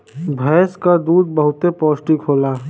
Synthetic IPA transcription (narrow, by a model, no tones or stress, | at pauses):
bʱɛːskad̪uːd̪̚bəɦʊt̪epɔːsʈikʰɦoːlaː